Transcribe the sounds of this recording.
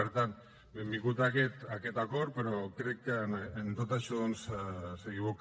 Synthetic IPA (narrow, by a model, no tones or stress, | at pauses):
eɾt̪an | emikut̪aket̪aket̪akoɾpeɾokɾeknent̪ot̪aʃuðunsseɣiβuk